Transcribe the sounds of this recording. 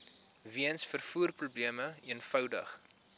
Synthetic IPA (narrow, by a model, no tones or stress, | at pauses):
viənsfərfuːrprubliəməiənfœwdə̰χ